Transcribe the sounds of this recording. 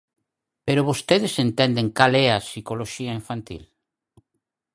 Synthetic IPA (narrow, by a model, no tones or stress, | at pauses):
peɾoβost̪eðesent̪ɛnd̪eŋkalɛɐsikoloʃiaiɱfant̪ḭl